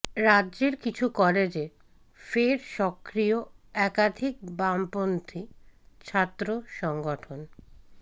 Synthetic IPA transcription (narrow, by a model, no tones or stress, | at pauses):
ɾadːʑeɾkit͡ɕʰukɔled͡ʑe | feɾʃɔkɾijoɛkad̪ʱik̚bampont̪ʰit͡ɕʰat̪ːɾoʃɔŋɡoʈʰon